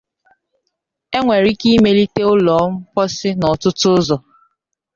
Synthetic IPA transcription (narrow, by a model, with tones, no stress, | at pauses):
e˦ŋʷe˨ɾi˦ki˦me˦li˦te˦ʊ˦lɔ˨˦m̩˦pɔ˦sɪ˦nɔ˨tʊ˦tʊ˦ʊ˦zɔ˨